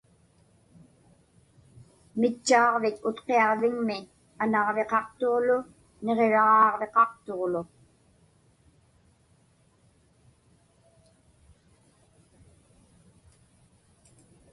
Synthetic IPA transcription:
mɪt͡ʃːɑːʁvɪt̪ʊt̪qeɑʁvɪŋmɪ | anɑʁve̞qɑqt̪o̞ʁlʊ | ne̞ʁeɻɑʁɑːʁve̞qɑqt̪oʁlʊ

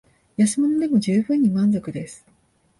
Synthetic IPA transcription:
jasɨmo̞no̞d̪e̞mo̞ʑɨːbɯ̟̃ɲ̟ːimãnzo̞kɯ̟d̪e̞sɨ̥

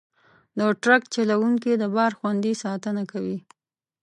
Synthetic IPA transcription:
d̪əʈɾakt͡ʃalawuŋkid̪əbɑɾxwand̪isɑt̪ənakawi

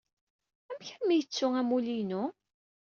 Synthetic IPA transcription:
æmçænmijət͡sːʊæmulinʊ

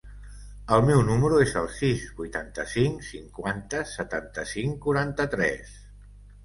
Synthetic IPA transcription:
əlˠmɛwnuməɾuezəlˠsizbujt̪ant̪əsiŋsiŋkwant̪əsət̪ant̪əsiŋkuɾant̪ət̪ɾɛ̰s

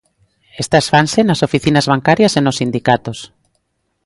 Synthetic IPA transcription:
est̪asfansenasofiθinazβaŋkaɾjasenosind̪ikat̪os

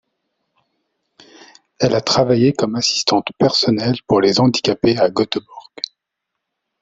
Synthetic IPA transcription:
ɛlat̪χavajekɔmasi̥st̪ɑ̃t̪pɛʁsɔnɛlpuʁlezɑ̃d̪ikʲapeaɡɔt̪bɔʁɡ̥

